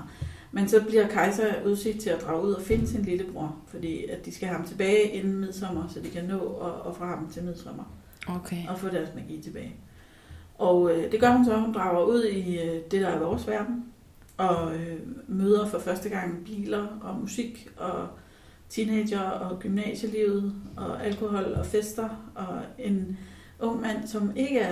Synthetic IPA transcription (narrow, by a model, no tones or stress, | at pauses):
mensɒ̽b̥liɐkʰɑ̈ɪsæuð̞ˠse̝ɡ̥d̥̚t͡sʰe̝læd̥ʁɑ̈ʊuð̞̰ˠɒfe̝nəsinliləb̥ʁuɐ̰fɒ̽d̥ḭːæd̥isɡ̥æhæhmt͡sʰe̝b̥ɛːɪʔenn̩mið̞̰ˠsɒ̽m̰ɐsɒ̽d̥ikʰænɔ̰̽ːɒːfʁɑ̈ːdm̩t͡sʰe̝lmið̞̰ˠsɒ̽m̰ɐ | oɒfɔ̰̽ːd̥æɐsmæɡ̥ḭːt͡sʰe̝b̥ɛːɪ | ʔɒʊød̥e̝ɡ̥ɶɐhunsɒ̽hund̥ʁɑ̈ʊ̰ɐuð̞̰ˠid̥e̝ɾ̥ɑ̈æɐʋɒːsʋæɐd̥n̩ | ʔɒ̽ | møːð̞ˠɐfɒ̽fɶɐsd̥əɡ̥ɑ̈ŋ̰b̥ḭːlɐɒ̽musiɡ̥ɒ̽ | t͡sʰineːɕɐɒ̽ɡ̥ymnɛ̰ːɕəliʊð̞̩ˠɒ̽ælkʰo̝hɒ̽l̰ɒfesd̥ɐʔɒ̽e̝n | ʔɔ̽ŋ̰mæn̰sɒ̽me̝ɡ̥əæɐ